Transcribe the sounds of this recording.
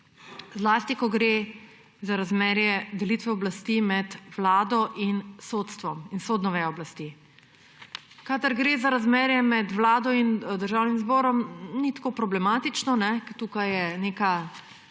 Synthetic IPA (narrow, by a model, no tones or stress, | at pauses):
zlaːst̪ikɔɡɾeː | zaɾazmɛːɾjɛd̪ɛlit̪ʋɛɔblast̪imɛd̪ʋlaːd̪ɔʔinsot̪st̪ʋɔminsoːd̪nɔʋɛɔblast̪i | kaːd̪əɾɡɾeːzaɾazmɛːɾjɛmɛd̪ʋlaːd̪ɔind̪əɾʒaːwnimzbɔːɾɔmnit̪ḁkoːpɾɔblɛmaːt̪it͡ʃnɔnɛkt̪uːkajɛneːka